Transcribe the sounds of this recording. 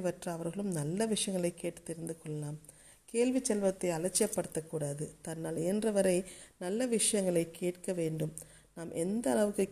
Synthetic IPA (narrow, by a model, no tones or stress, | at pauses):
ʋɐʈrɐːʋɐɾɣɐɭɯmnɐlːɐʋɪʂɐjɐŋɡɐɭɐɪkːeːʈːɯ̥t̪ːɪɾɯnd̪ɯkɔɭːɐlaːm | keːlʋit͡ʃːɛlʋɐt̪ːɐɪɐlɐt͡ʃːɪjɐpːɐɽɯt̪ːɐkːuːɽaːðɯt̪ɐnːaːlɛːndrɐʋɐɾɐɪnɐlːɐʋɪʂɐjɐŋɡɐɭɐɪkʰːeːʈkɐʋeːɳɖɯm | naːmʔɛnd̪ɐːɭɐʋɯkːɯ